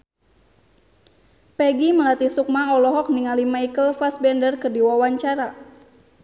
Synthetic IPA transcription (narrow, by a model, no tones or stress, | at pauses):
pɛɡiməlat̪isuk̚maɔlɔɦɔk̚niŋalimaikəlfasbɛndərkɨrdiwawaɲt͡ʃaɾa